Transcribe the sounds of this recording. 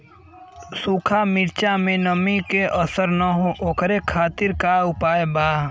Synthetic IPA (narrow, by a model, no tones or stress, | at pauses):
suːkʰamɪɾt͡ʃamẽnəmikeʔəsəɾnaɦõʔoːkɾekʰaːt̪ɪɾkaʊpaːebaː